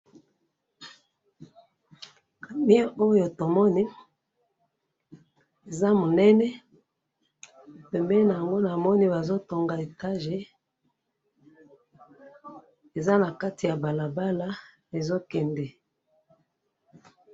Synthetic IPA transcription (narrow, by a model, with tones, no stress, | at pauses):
a˨mi˦o˦jo˨to˨mɔ˦ni˦ | e˨za˦mo˨nɛ˦nɛ˦ | pɛ˨mbɛ˦na˨ja˨ŋɡo˦na˨mɔ˦ni˦ba˨zo˦to˨ŋɡa˨e˨ta˦ʒe˨ | e˨za˦na˨ka˦ti˨ja˨ba˨la˨ba˦la˦ | e˨zo˦kɛ˨ndɛ˨